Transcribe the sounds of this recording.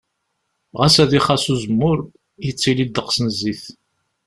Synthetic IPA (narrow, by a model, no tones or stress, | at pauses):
ʁæsæðiχasuzəmːʊɾ | jət͡sːilid̪əqsnəzːiθ